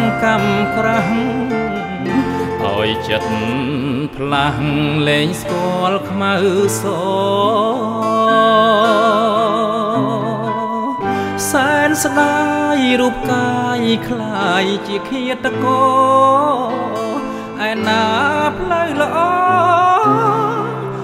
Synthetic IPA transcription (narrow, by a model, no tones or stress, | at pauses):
ŋkamkraɦŋ | ʔa̰ɔjt͡ɕət̪̚ | pʰlahŋleːŋskoəəlkʰmawsoː | saɛnsɗajɾuəp̚kajkʰlajt͡ɕiəkʰiət̪ːakɔː | ʔaɛnaːpʰləwləʔɑː